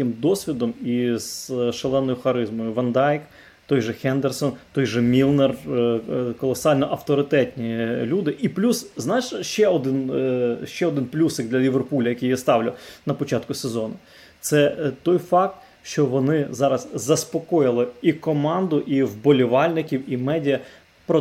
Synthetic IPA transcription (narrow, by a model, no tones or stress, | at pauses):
ɪmd̪ɔsʲʋʲid̪ɔmiz̥ʃelˠɛnːɔjʊxɐɾɪzmɔjʊʋɐnd̪ɑjk | t̪ɔjʒɛxɛnd̪ersɔnt̪ɔjʒɛmʲilˠnɛr | kɔlˠɔsɑlʲnɔʔɐft̪ɔɾɪt̪ɛt̪ʲnʲilʲud̪ɪʔiplʲusznɑt͡ʃʃt͡ʃɛɔd̪ɪnʃt͡ʃɛɔd̪ɪnplʲusɪɡ̚d̪lʲɐlʲiʋerpulʲɐjɐkʲijast̪ɑwlʲʊnɐpɔt͡ʃɑt̪kʊsezɔnʊ | t̪sɛt̪ɔjfɑk̚t̪ | ʃt͡ʃɔʋɔnɪzɑɾɐzzɐspɔkɔjɪlˠɪikɔmɑnd̪ʊʔiwbɔlʲɪʋɑlʲnɪkʲiwimɛdʲijɐ | pɾɔ